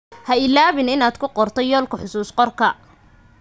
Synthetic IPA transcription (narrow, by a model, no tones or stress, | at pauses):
hɐɪlaːβɪnɪnaːd̪kʰʊqɔrt̪ʰɔjɔːlkʰɐħʊsuːsqɔrkʰɐ